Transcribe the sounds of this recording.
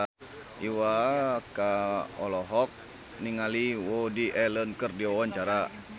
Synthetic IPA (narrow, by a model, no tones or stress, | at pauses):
iwakaɔlɔɦɔk̚ | niŋaliwɔdiʔɛlənkərdiawaɲt͡ʃaɾa